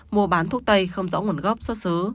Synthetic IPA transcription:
mu˧əɓaː˨˦nt̪ʰu˦˥k̚t̪ə˧jxə˧wŋ͡mzɔ̰˧˥ŋu˧˩ənɣə˦˥p̚sɔ˦˥sɨː˨˦

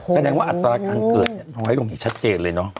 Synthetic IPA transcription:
sʰa˧dɛː˧ŋwaː˥˩ʔa˨˩t̪ːɾaː˧kaː˧nkɤː˨˩t̪̚ni˨˩nɔː˧˦ha˥˩lo˧ŋiː˦˥t͡ɕʰt̪̚t͡ɕeː˧nlɤː˧jnɔ˦˥

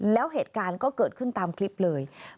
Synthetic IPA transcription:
lɛː˦˥wɦeː˨˩t̪̚kaː˧nkɔː˥˩kɤː˨˩t̪̚kʰɯ˥˩nt̪aː˧mkʰli˦˥p̚lɤː˧j

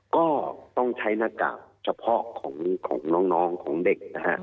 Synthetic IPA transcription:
kɔː˥˩t̪ɔː˥˩ŋt͡sʰɐ˨˥jna˧˥ka̰ː˨˩wt͡sɐ˨˩wpʰɔː˦˥kʰːʊ˨˩˦ŋkʰʊ̰˨˩˦ŋnɔ˨˧˥ŋnɔː˨˥ŋkʰʊ˨˥˦ŋd̪ɪ˨˩k̚ːa̰˧˩

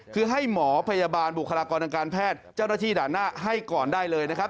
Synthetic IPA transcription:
kʰɯː˧ɦa˥˩jmɔː˩˦pʰa˧jaː˧baː˧nbu˨˩kʰa˧laː˧kɔː˧nt̪a˧ŋkaː˧npʰɛː˥˩t̪̚t͡ɕa˥˩wna˥t̪ʰiː˥˩daː˨˩naː˥˩ɦa˥˩jkɔː˨˩ndaː˥˩jlɤː˧jna˦˥kʰa˦˥p̚

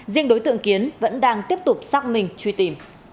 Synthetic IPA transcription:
zḭ˧əŋɗo˨˦jt̪ɨ̰˧˨əŋki˨˦ənvə̰˧˥nɗaː˧ŋt̪i˦˥əp̚t̪ʊ˨˩k͡p̚saː˦˥k̚mï˨˩ŋ̟t͡ɕwi˧˩t̪i˧˩m

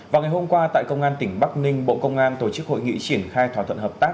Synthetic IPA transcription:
vaː˨˩wŋa˨˩jho˧mkwaː˧t̪a̰ː˧˨jkə˧wŋ͡mʔaː˧nt̪ï˧˩ŋ̟ɓa˦˥k̚nï˧ŋ̟ɓo̰˧˨kə˧wŋ͡mʔaː˧nt̪o˧˩t͡ɕɨ˦˥k̚ho̰˧˨jŋḭ˧˨t͡ɕi˧˩ənxaː˧jt̪ʰwaː˧˩t̪ʰə˧˨nhəː˨˩p̚t̪aː˦˥k̚

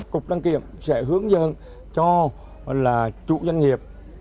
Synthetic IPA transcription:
kʊ˨˩k͡p̚ɗaː˧ŋkḭ˧˨əmsɛ̰˧˥ɦɨ˨˦əŋzə̰˧˨n | t͡ɕɔ˧ | laː˨˩t͡ɕṵ˧˨zwa˧ŋ̟ŋi˨˩əp̚

